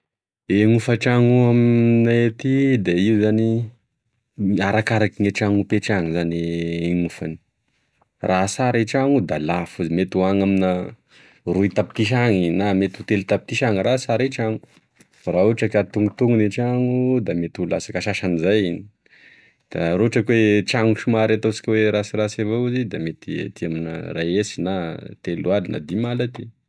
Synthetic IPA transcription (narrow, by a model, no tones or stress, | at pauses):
eŋufaʈ͡ʂaŋuamnaet̪id̪eiuzani | aɾakaɾakiŋeʈ͡ʂaŋupeʈ͡ʂaŋizaneeŋufani̥ | rasaɾeʈ͡ʂaŋud̪alafuzimet̪uaŋaminə | ruit̪api̥t̪iʃ̬aŋinamet̪ut̪elt̪apit̪iʃaŋiɾasaɾeʈ͡ʂaŋu̥ | rauʈ͡ʂəkat̪uŋut̪uŋuniʈ͡ʂaŋud̪amet̪ula̰sakaʃaʃanizajini | d̪̥aɾouʈ͡ʂəkwet͡ʃaŋuʃumaɾat̪ot͡si̥kʲweɾasirasevouzid̪amet̪ia̰t̪iaminə̰rajesinat̪elualina̰d̪imalat̪i